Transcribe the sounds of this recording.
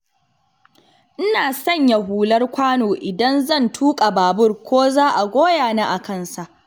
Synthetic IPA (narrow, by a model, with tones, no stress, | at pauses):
ʔɪ˦naː˨sɐ˦˨ɲja˨ɦuː˨lɐ˦rkʷaː˦noː˨ʔɪ˨dɐ˦nzɐ˦˨ntʰuː˦kʼa˨baː˨bʊ˦˨rkʷoː˦zaː˦ʔa˨ɡʷoː˦jaː˨na˦ʔa˨kɐ˦˨nsa˨ʔ